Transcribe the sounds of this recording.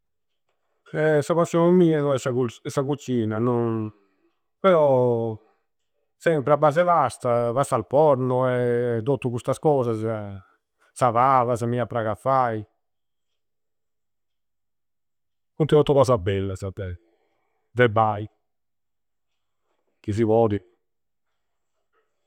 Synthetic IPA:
ɛsapasjɔnmiːanɔɛsakusakut͡ʃːiːnanɔn | pɛɾɔ | sɛmpɾeabːaːz̬ɛvast̪avast̪alpɔɾnɔɛd̪ot̪ːukust̪askɔːzas | savaːvasamiapɾaɣafːaj | kunt̪iɔt̪ːɔβasabɛlːasat̪ːɛ | d̪ɛbaj | kis̬ivɔːd̪i

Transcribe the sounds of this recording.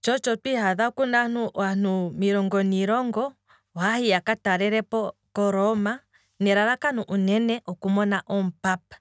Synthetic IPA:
t͡ʃɔt͡ʃɔtwihaðakunan̥uwan̥umiɾɔŋɡɔniɾɔŋɡɔ | hahijakataɾɛɾɛpɔkɔɾɔma | nɛɾaɾakanuʔunɛnɛʔɔkumɔnaʔɔm̩pap̚ḁ

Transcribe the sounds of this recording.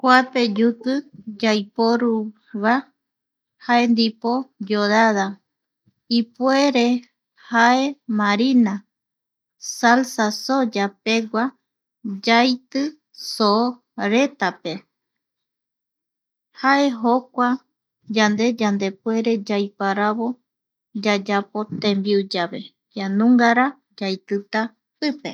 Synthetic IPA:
kʷape̞d͡ʒut̪ɨd͡ʒajpoɾu | βa | haend̪ipo̞d͡ʒoðaða | ipwe̞ɾe̞ | hae̞mãɾina | salsasod͡ʒape̞ɡʷa | d͡ʒajt̪ɨ | so | ɾe̞t̪ape̞ | hae̞ɦokʷa | d͡ʒand̪e̞d͡ʒand̪e̞pwe̞ɾe̞d͡ʒajpaɾaβo̞ | d͡ʒad͡ʒapo̞t̪ẽmbiud͡ʒaβe̞̰ | janũŋɡaɾa | d͡ʒajt̪ɨt̪a | pɨpe̞̰

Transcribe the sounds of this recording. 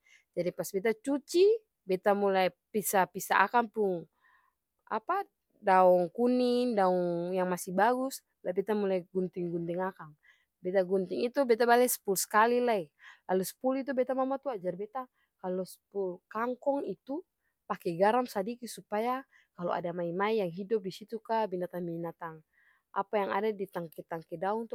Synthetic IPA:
d͡ʒadipasbɛt̪at͡ʃut͡ʃi | bɛt̪amulajpisapisaʔa̰kaŋpuŋ | a̰pa | daɔŋkuniŋdaɔŋjaŋmasibaɡus | labɛt̪amulajɡunt̪iŋɡunt̪iŋakaŋ | bɛt̪aɡunt̪iŋit̪ubɛt̪abalɛsɛ̥puluskalilailalusə̥pulit̪̬ubɛt̪amamat̪uad͡ʒarbɛt̪a | kalɔspulkaŋkɔŋit̪u | pakɛɡaɾamsadikisupaja | kalɔa̰damaimaijaŋɦidɔp̚disit̪ukabinat̪aŋminat̪aŋ | ʔa̰pajaŋa̰dadit̪aŋkɛt̪aŋkɛdaɔŋt̪u

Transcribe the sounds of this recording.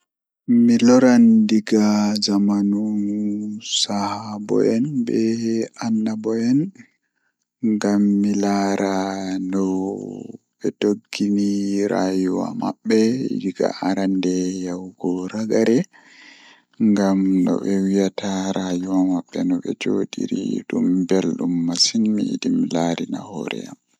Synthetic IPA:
milɔɾandiɡazamanu | sahabɔ̰ʔɛnbɛanːabɔɛn | ŋɡamːilaɾandɔ | ɓɛtoɡːiniɾajuwa̰maɓːɛḭdiɡa̰ʔaɾandɛjawɡɔɾaɡaɾɛ | ŋɡamnɔ̰ɓɛwijataɾajuwamaɓːɛnɔɓɛd͡ʒoɗiɾiḭɗumbɛlɗumːasinmiḭdimlaɾinahɔɾɛ̰am

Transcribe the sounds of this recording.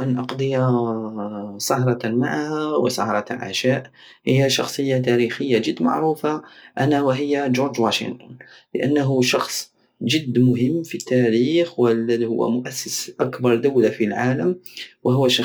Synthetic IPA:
ʔænʔɑqd̪ˤəja | sˤɑhɾˤɑmaʕahæwɪ̰sˤɑ̰hɾˤɑʕa̰ʃaːʔ | həjːaʃɑxsˤəjːat̪æɾixəjːad͡ʒəd̪ːma̰ʕɾuːfaʔænawɪɦɪjːad͡ʒʊɾd͡ʒwaʃə̰nt̪ʊnləʔa̰nːaɦʊʃɑxsˤ | ʒɪd̪ːmʊɦəmːfit̪ːæɾiːxwəlːæðihʊ̰wːa̰mʊʔæsːəsʔakbɑɾˤd̪ʊwlafilʕaːləmwəɦʊwːæʃɑ

